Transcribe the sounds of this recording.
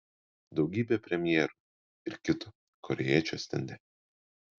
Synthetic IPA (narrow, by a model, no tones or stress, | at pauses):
d̪ɒʊɡʲiːbʲepʲɾʲɛmʲjɛːɾuˑ | ɪɾkʲɪt̪ʊ | kɔɾʲɛjiɛːt͡ʃʲo̰sʲt̪ʲɛ̰nʲd̪ʲɛ